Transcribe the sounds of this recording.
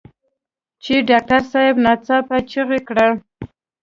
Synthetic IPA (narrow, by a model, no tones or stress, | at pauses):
t͡ʃeɖɑk̚ʈaɾsɑjɪbnɑt͡sapat͡ʃəɣekɽa